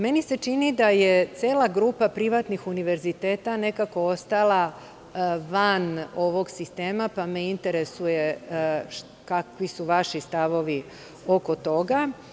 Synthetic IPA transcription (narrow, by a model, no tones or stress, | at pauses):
me̞nise̞t͡ʃinid̪aje̞t̪seːlˠaɡɾuːpapɾiʋat̪nixuniʋe̞ɾzit̪e̞ːt̪ane̞kako̞ost̪alˠa | ʋano̞ʋo̞ɡsist̪e̞ːmapameint̪e̞ɾe̞suje̞ | kakʋisuʋaʃist̪aʋo̞ʋi | o̞ko̞t̪o̞ɡa